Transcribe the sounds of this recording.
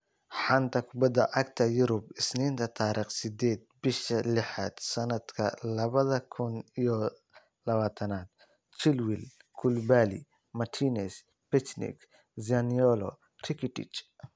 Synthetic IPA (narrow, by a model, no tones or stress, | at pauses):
ħɑnt̪ʰɐkʰʊbɐd̪ɐʔɐkt̪ʰɐjʊɾʊbɪsniːnt̪ʰɐt̪ʰaːɾiːχsɪd̪ɛːd̪̚bɪʃɐlɪħa̰ːd̪̥sɐnɐd̪̥kʰɐ̰lɐβɐðɐkʰʊnijɔ | lɐβaːt̪ʰɐnaːd̪̥̚ | t͡ʃɪlwɪlkʰʊlbaːlḭ | mɐt̪ʰiːnɛs | pɛt͡ʃnɪ̰k | saniɔlɔ | rɪkʰɪt̪ɪ̰t͡ʃ